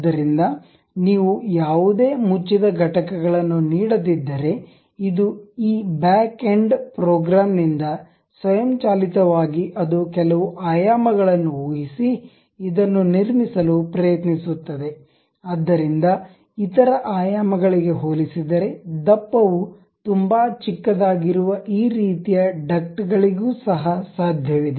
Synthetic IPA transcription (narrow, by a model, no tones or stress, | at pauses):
d̪ːɐɾind̪ɐ | niːʋujaːʋud̪e̞ːmut͡ʃːid̪ɐɡʱɐʈɐkɛɡɐɭɐnːuniːɽɐd̪id̪ːɐɾe̞ | id̪uiːbaːkeɳɖpɾɔːɡɾaːmnind̪ɐ | sʋɐjɐmt͡ʃaːlit̪ɐʋaːɡiʔɐd̪ukɛlɐʋuʔaːjaːmɐɡɐɭɐnːuoːɡisi | id̪ɐnːuniɾmisɐlupɾɐjɐt̪nisut̪ːɐd̪e̞ | ad̪ːɐɾind̪ɐ | it̪ɐɾɐʔaːjaːmɐɡɐɭiɡe̞ɦoːlisid̪ɐɾe̞d̪ɐpːɐʋu | t̪umbaːt͡ʃikːɐd̪aːɡiɾuʋɐʔiːɾiːt̪ijɐɖɐkʈɡɐɭiɡuːsɐɦɐsaːd̪ʱjɐʋid̪e